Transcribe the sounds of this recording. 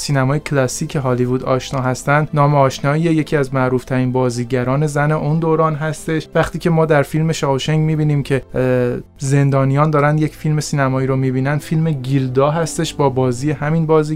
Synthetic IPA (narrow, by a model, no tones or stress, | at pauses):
siːnæmɒːjecʰlɒsiːcʰeɦɒːlivud̪ɒ̰ːʃnɒːɦæst̪ænd̪nɒːmeɒːʃnɒːieje̞cʰiːæzmæʔɾuːft̪ʰæɾiːnbɒːziːɟæɾɒːne̞zæne̞ʔund̪oːɾɒːnɦæst̪e̞ʃvæχt̪ʰiːcʰe̞mɒːd̪æɾfilmeʃɒːvoʃeŋɟmiːbiːniːmcʰe̞ | ze̞nd̪ɒːnijɒːnd̪ɒːɾænd̪je̞cʰfilme̞siːnæmɒːiːɾomiːbiːnænd̪filme̞ɟild̪ɒːɦæst̪e̞ʃbɒːbɒːziːjehæmiːnbɒːziː